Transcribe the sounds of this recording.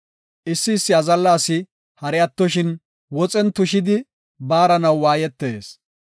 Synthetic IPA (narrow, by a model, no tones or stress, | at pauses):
ʔɪsːɪːsːɪɐzɐlːaːsɪ | hɐɾɛɐt̪ːɔʃɪn | wɔt͡sʼɛnt̪ʊʃɪd̪ɪ | baːɾɐnɐwwaːjɛt̪ːeːs